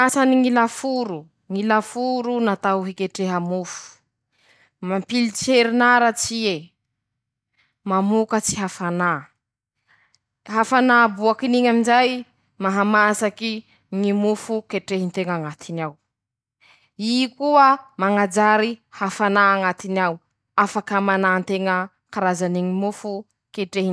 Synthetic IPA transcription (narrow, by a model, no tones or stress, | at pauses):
asaniŋilafuɾu | ŋilafuɾunat̪awɦikeʈ͡ʂeɦamufu̥ | mampilit͡ʃeɾinaɾat͡sie | mamukət͡si̥ɦafana | ɦafanaːbuakiniɲaminzaj | maɦamasaki | ŋimufukeʈ͡ʂeɦint̪eŋaŋat̪ʰinaw | ikuəmaŋad͡ʒaɾihafanaːŋat̪iniaw | afakəmanant̪eŋə | kaɾazaniŋimufu | keʈ͡ʂeɦi